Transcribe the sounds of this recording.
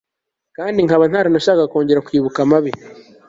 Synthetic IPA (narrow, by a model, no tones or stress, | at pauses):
kaːndiŋaβan̥haːɾanoʃakako̞ːɲɟe̞ɾakuiːβukamaβe